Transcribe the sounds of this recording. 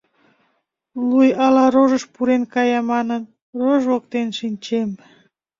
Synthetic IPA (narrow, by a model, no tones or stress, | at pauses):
lujɑlɑɾoʒəʃpuɾenkɑjɑmɑnən | roʒβokt̪enʃinʲt͡ɕem